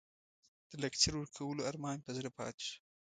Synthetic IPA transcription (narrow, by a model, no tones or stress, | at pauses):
d̪̥əlakt͡ʃɪɾwəɾkʰawəloaɾmɑːnt̪azɾapɑ̰ːt̪